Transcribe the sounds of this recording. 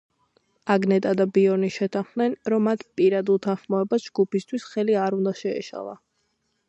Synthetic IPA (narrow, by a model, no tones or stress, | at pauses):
aɡnɛt̪ʼad̪abiɔniʃɛt̪ʰanχnɛnɾɔmːat̪ʰpʼiɾad̪ut̪ʰanχmɔɛbasd͡ʒɡupist̪ʰwisχɛliaɾund̪aʃɛɛ̰ʃa̰lˠa̰